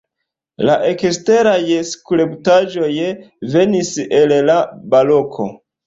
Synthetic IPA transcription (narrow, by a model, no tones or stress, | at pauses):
laʔekste̞ɾajskɾebtad͡ʒo̞jve̞nisellabalo̞kʰo̞̰